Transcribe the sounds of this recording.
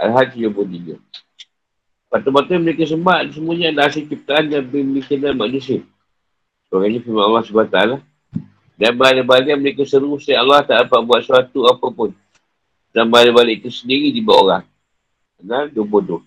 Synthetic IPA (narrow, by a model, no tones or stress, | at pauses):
a̰lɦat̪sijobotiɡə̰ | pat̪upat̪uməɾekəs̬əmaʔds̬əmuaɲandaasit͡ʃip̚t̪aʔandanbəmikinanmanusiə | səbaɡaɲafimanalːasubat̪aala | danbadabaliaməɾekəsəɾusəaalːaht̪aapaʔbuat̪̚suat̪uapapʊn | tambalibalɪʔt̪usəndiɣidibaʔo̰ɣaŋ | ənadobodʊ